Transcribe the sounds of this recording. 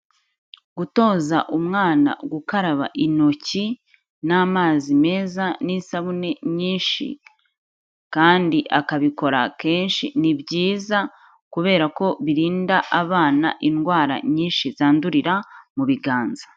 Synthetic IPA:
ɡ̥uto̞ːzaʔumŋaːna̰ɡukaɾaβa̰ʔino̞ci | namaːzime̞ːzanisaβune̞ɲiːnʃḭ | kaːndiʔakaβiko̞ɾa̰ke̞ːnʃḭnibɟiːza | kuβe̞ːɾako̞βiɾiːndaʔaβaːna̰ʔinɡwaːɾa̰ɲiːnʃizaːnduɾiɾamuβiɡaːnzḁ

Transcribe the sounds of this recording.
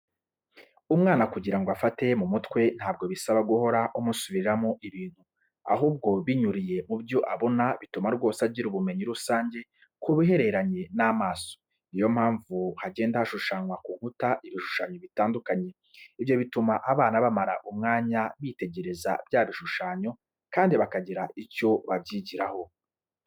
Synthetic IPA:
umŋaːnakuɟiɾaŋɡoafate̞mumutkwe̞n̥haːb̚ɡo̞βisaβaɡuho̞ɾaʔumusuβiɾamoʔiβiːn̥hu | a̰ɦuːb̚ɡo̞βiɲuɾije̞mubjo̞ʔaβo̞naβitumaɾɡwo̞ːsaɾɟiɾuβume̞ɲiɾusaːɲɟe̞ | kuβiɦe̞ɾe̞ɾaɲe̞namaːso̥ | ijo̞m̥haːɱvuhaɟe̞ːndahaʃuʃaɲwakuŋhutaʔiβiʃu̥ʃaɲo̞βitaːndukaɲe̞ | ivjo̞βitumaʔaβaːnaβamaɾa̰ʔumŋaːɲaβite̞ɟe̞ɾe̞za̰bjaβiʃuʃaːɲo̞ | kaːndiβakaɟiɾaico̞βabɟiːɟiɾaho̞

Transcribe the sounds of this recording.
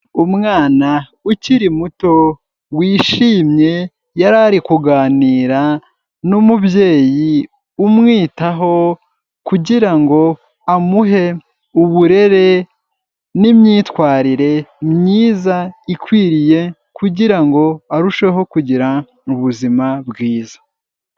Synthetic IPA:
umŋaːna | uciɾimuto̞ | wiːʃiːmɲe̞ | jaɾaɾikuɡaːniːɾa | numubje̞ːji | umŋiːtaɦo̞ | kuɟiɾaŋɡo̞ | amuɦe̞ | uβuɾe̞ɾe̞ | nimɲiːtwaːɾiɾe̞mɲiːzaikwiːɾije̞ | kuɟiɾaŋɡo̞aɾuʃwe̞ɦo̞kuɟiɾa | uβuzimabɡiːzḁ

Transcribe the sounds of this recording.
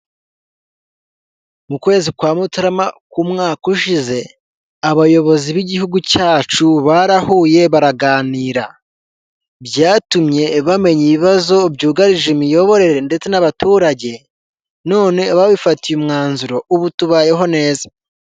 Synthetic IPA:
mukwe̞ːzikwaːmutaɾamakumŋaːkuʃize̞ | aβajo̞βo̞ziβiɟihuɡucaːt͡ʃuβaɾahuːje̞βaɾaɡaːniːɾa | bjaːtumɲe̞βame̞ɲiβiβazo̞bɟuːɡaɾiʒemijo̞βo̞ɾe̞ɾende̞t͡se̞naβatuːɾaɟe̞ | no̞ːne̞βaβifatijumŋaːnzuɾo̞uβutuβaːje̞ɦo̞ne̞ːza

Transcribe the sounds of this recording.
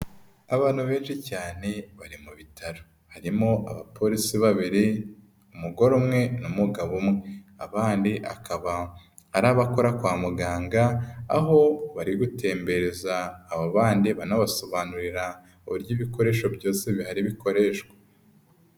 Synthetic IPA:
aβaːn̥huβe̞ːnʃicaːne̞βaɾimuβitʰaɾo | haɾimo̞ʔa̰βapʰo̞ɾisiβaβiɾi | umuɡo̞ɾomŋe̞numuɡaβumŋea̰βaːndiʔa̰kʰaβaː | ɾaβako̞ɾakwaːmuɡaːŋɡaːɦo̞βaɾiɡute̞ːmbe̞ɾezaːβaβaːndiβanaβaso̞βaːnuɾiɾa | uβuɾɟiβiko̞ɾe̞ːʃo̞bɟoːseβihaɾiβiko̞ɾe̞ːʃɡwḁ

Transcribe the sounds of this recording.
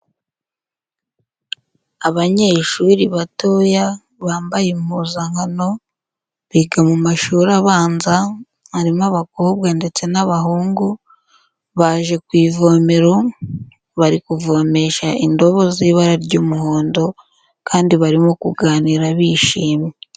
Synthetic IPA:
aβaɲe̞ʃuɾiβato̞ja | βaːmbajemuzaŋhano̞ | βiːɡamumaʃuːɾaβaːnza | haɾimaβakob̚ɡande̞t͡se̞naβaɦuːŋɡu | βaʒe̞kwiːvo̞me̞ɾo̞ | βaɾikuvo̞me̞ʃaʔindo̞βo̞ziːβaɾaɾɟuːmuho̞ːndo̞ | kaːndiβaɾimokuɡaːniɾaβiʃiːmje

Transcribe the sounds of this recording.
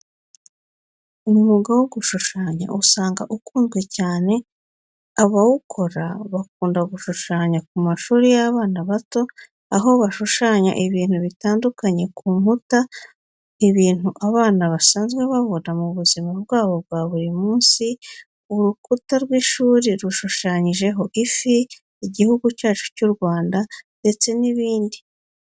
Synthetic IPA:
umuɡawoɡuʃuʃaːɲa̰ʔusaːŋɡa̰ʔukuːnzɡwe̞caːne̞ | aβawukʰo̞ɾaβak̚uːndaɡuʃuʃaːɲak̚umaʃuːɾijaβaːnaβato̞ | aɦo̞βaʃuʃaːɲa̰ʔiβiːn̥huβitaːndukaɲe̞kuːmhuta | iβiːn̥uʔaβaːnaβasaːnzɡwe̞βaβo̞namuβuzimabɡaːβo̞b̚ɡwaːβuɾimuːnsi | uɾukutaɾɡwiːʃuːɾiɾuʃuʃaɲiʒe̞ɦo̞ʔifiː | ɟihuɡucaːt͡ʃu̥cuɾɡwaːndande̞t͡se̞niβiːndi

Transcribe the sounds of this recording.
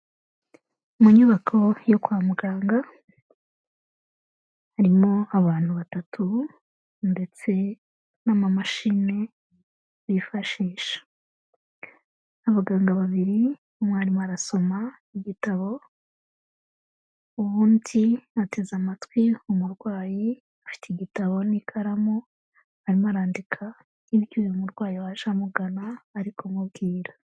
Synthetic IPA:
umuɲuβakʰo̞jokwaːmuɡaːŋɡa | haɾimo̞aβaːn̥huβatatʰu | nde̞t͡se̞ | namamaʃine̞ | βifaʃiːʃḁ | aβaɡaːŋɡaβaβiɾi | omwhaɾimoaɾaso̞ma | iɟitaβo̞ | uβuːndiate̞zamatwiumuɾɡwaːji | afi̥tʰeɡitaβo̞nikʰaɾamo | haɾimaɾaːndikʰa | iβjuːjumuɾɡwaːjiwaʃamuɡanaːɾikʰomub̚ɡiːɾḁ

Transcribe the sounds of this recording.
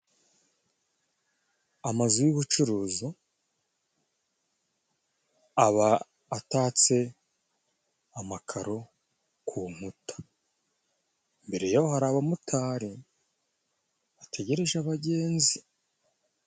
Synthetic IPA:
amazujuβut͡ʃuɾuːzu | aβaː | taːt͡se̞ | amakʰaɾo̞ | kʰuːm̥utḁ | mbe̞ɾe̞jawoɦaɾaːβamutʰaːɾi | βatʰe̞ɟe̞ɾe̞ʒaβaɟe̞ːnzi

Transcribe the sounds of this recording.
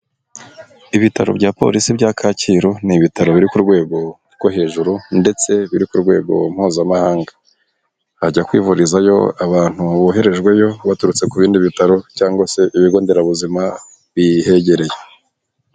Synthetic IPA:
iβitaɾobjɟaːpo̞̰ɾisibɟakʰaciɾo̞niβitaɾo̞βiɾikuɾɡwe̞ːɡo̞ | ɾɡohe̞ːʒuɾunde̞t͡se̞βiɾikuɾɡwe̞ːɡo̞̰m̥huːzamahaːŋɡa | aɟakwiːvuɾizajo̞̰aβaːn̥huβoɦe̞ɾe̞ʒɡwe̞jo̞βatuɾut͡se̞kuβiːndiβitaɾo̞caːŋɡwase̞ʔiβiɡo̞ːnde̞ɾaβuzima | βihe̞ɟe̞ɾe̞je

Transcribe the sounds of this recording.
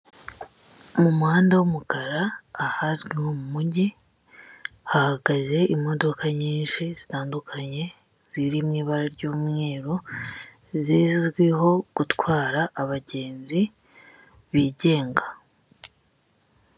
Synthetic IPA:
mumuhaːndawumukaɾaːhazɡwihomumuɟi | hahaɡaze̞imo̞do̞kaɲiːnʃiz̥itaːndukʰaɲe̞ | z̥iɾimŋiːβaɾaɾɟuːmŋe̞ːɾo | ziːzzɡwiɦo̞ɡ̥utwaːɾaʔːβaɟe̞ːnzi | βiːɟe̞ːŋɡa

